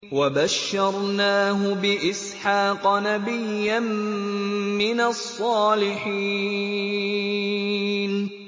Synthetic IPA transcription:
wabaʃːɑɾˤnaːɦʊbɪʔɪsħɑːqɑnabɪjːan | mɪnasˤːɑːlɪħiː | n

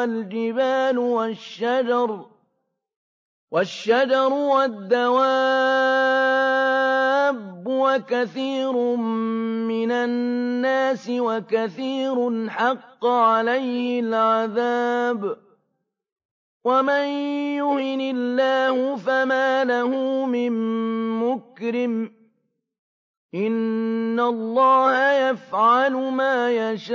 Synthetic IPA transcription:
ald͡ʒɪbaːlwaʃːad͡ʒɑɾˤ | waʃːad͡ʒɑɾˤwad̪ːawa | bːwakaθiːɾʊmmɪnaːaːsɪwakaθiːɾʊnħɑqːʕalajhɪlʕaðaːb | wamanjʊhɪnɪlːaːhʊfamaːlahʊmɪmːʊkɾɪm | ʔɪnːalˤːɑːhajafʕalʊmaːjaʃa

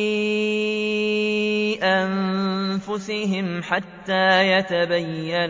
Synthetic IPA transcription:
ʔanfʊsɪɦɪmħat̪ːaːjat̪abajːan

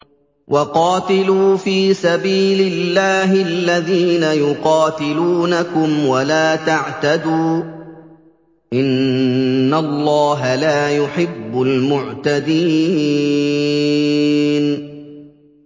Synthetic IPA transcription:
wʔɑqɑːt̪ɪluːfiːsabiːlɪlːaːɦɪalːaðiːnajʊqɑːt̪ɪluːnakʊmwalaːt̪aʕt̪ad̪uː | ʔɪnː | alːɑːɦalaːjʊħɪbːʊlmʊʕt̪ad̪iː | n

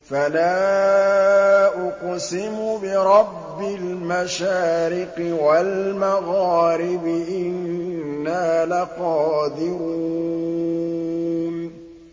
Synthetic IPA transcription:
falaː | ʔʊqsɪmʊbɪɾˤɑbːɪlmaʃaːɾɪqɪwalmaɣaːɾɪbɪʔɪnːaːlaqɑːd̪ɪɾuː | n

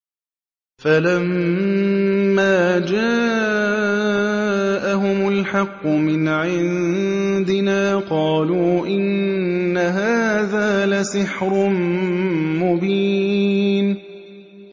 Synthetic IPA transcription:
falam | aːd͡ʒa | ʔaɦʊmʊlħɑqːʊmɪnʕɪnd̪ɪnaːqɑːluːʔɪnː | aɦaːðaːlasɪħɾʊm | mʊbiː | n

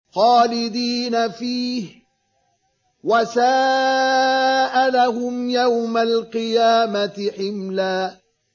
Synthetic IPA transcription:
xaːlɪd̪iːnafiːh | wasaː | ʔalaɦʊmjawmalqɨjaːmat̪ɪħɪmlaː

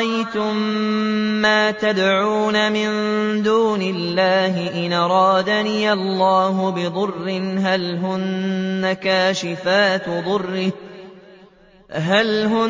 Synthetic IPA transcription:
ajt̪ʊmː | aːt̪ad̪ʕuːnamɪnd̪uːnɪlːaːɦɪʔɪnʔɑɾˤɑːd̪anijʔɑlːɑːɦʊbɪd̪ˤʊrːɪnɦalɦʊnːakaːʃɪfaːt̪d̪ˤʊrːɪ | ɦalɦʊ

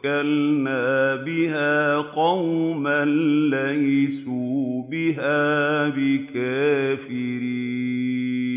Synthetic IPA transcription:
kalnaːbɪɦaːqɑwmanlaʔisuːbɪɦaːbɪkaːfiɾiː

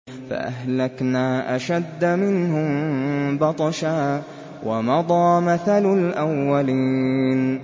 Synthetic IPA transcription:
fa̰ʔa̰hlaknaːʔaʃad̪ːamɪnɦʊmbɑt̪ˤɑʃaː | wʔamɑd̪ˤɑːmaθalʊlʔawːaliːn

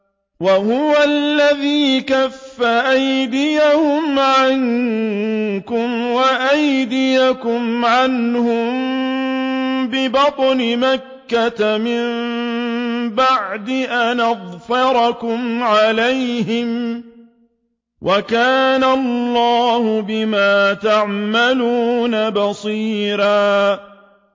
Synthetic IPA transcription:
wahʊwallːaðiːkafːaʔajd̪ɪjahʊmʕaŋ | kʊmwaʔajd̪ɪjakʊmʕanhʊm | bɪbɑt̪ˤnɪmakːat̪amɪmm | baʕd̪ɪʔanaðˤfɑɾˤɑkʊmʕalajɦɪm | wʔakaːnallˤːɑːhʊbɪmaːt̪aʕmaluːnabɑsˤiːɾaː

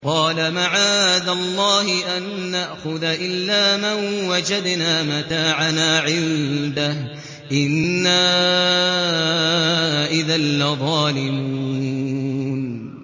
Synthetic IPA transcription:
qɑːlamaʕaːd̪alˤːɑːhɪʔanːaʔxʊðaʔɪlːaːmanwad͡ʒad̪naːmat̪aːʕanaːʕɪnd̪ah | ʔɪnːaː | ʔɪðalːaðˤɑːlɪmuu | n

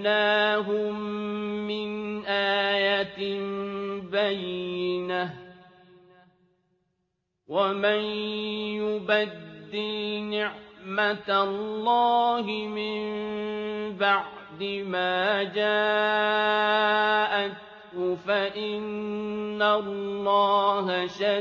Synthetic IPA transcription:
naːɦʊmː | ɪnʔaːjat̪ɪ | bajɪna | wamanjʊbad̪ːɪlnɪʕmat̪alːɑːɦɪmɪm | baʕʕ | d̪ɪmaːd͡ʒaː | ʔat | ʊfaʔɪnː | alːɑːɦaʃa

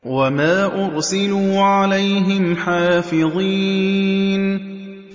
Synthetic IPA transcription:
wamaːʔʊɾsɪluːʕalajɦɪmħaːfɪðˤiː | n

